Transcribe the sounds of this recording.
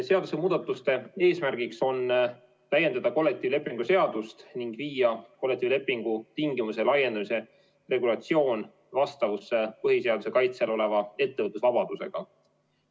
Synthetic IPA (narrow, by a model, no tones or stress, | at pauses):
se̞ɑd̪use̞muːd̪̥ɑt̪ːˑust̪e̞e̞ːsmærɡ̥ikso̞n | t̪æje̞nd̪̥ɑd̪ɑko̞lːek̚t̪ˑivle̞pːˑiŋɡ̥use̞ɑd̪̥ust̪niŋɡ̥viːjɑko̞lːekt̪ːˑiːvle̞pːˑiŋɡ̥ut̪iŋɡimuse̞lɑje̞nd̪ɑmise̞ | re̞ɡulɑt̪sio̞ːn | vɑst̪ɑvusːepɤɦise̞ɑd̪use̞kɑjt̪se̞lo̞le̞vɑe̞t̪ːevɤt̪ːˑusvɑb̥ɑd̪̥use̞̰ɡ̥ɑ